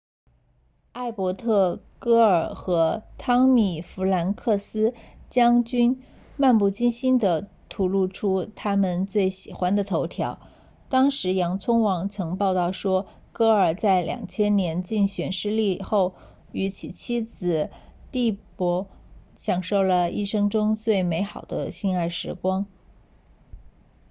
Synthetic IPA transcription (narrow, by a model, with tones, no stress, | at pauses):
a˥˩ɪpwɔ˧˥t̪ʰɤ˥˩ | kɤ˥ə˞˨˩xɤ˧˥t̪ʰɑ˥ŋmi˨˩fu˧˥la˧˥nkʰɤ˥˩sɹ̩˥t͡ɕjɑ˥ŋt͡ɕy˥n | ma˥˧npu˥˩t͡ɕi˥nɕi˥nd̪ə˨ | t̪ʰu˧˥lu˥˩ʈ͡ʂʰu˥t̪ʰa˥mə˨nt͡swe˥˩ɪɕi˨˩xwa˥nd̪ə˨t̪ʰo˧˥ʊt̪ʰjɑ˧˥ʊ | t̪ɑ˥ŋʂɻ̩˧˥jɑ˧˥ŋt͡sʰʊ˥ŋwɑ˧˥ŋt͡sʰɤ˧˥ŋpɑ˥˧ʊt̪ɑ˥˩ʊʂwɔ˥ | kɤ˥ə˞˨˩t͡sa˥˩ɪljɑ̰˨˩ŋt͡ɕʰjɛ˥nnjɛ˧˥nt͡ɕi˥˩ŋɕɥɛ˨˩nʂɻ̩˥˧li˥˧xo˥˩ʊ | y˧˥t͡ɕʰi˨˩t͡ɕʰi˥d͡zɹ̩˧˩t̪i˥˩pwɔ˧˥ɕjɑ˨˩ŋʂo˥˩ʊlə˩i˥˩ʂɤ˥ŋʈ͡ʂʊ˥ŋt͡swe˥˩ɪme˧˥ɪxɑ˨˩ʊd̪ə̰˦ɕi˥na˥˩ɪʂɻ̩˧˥kwɑ˥ŋ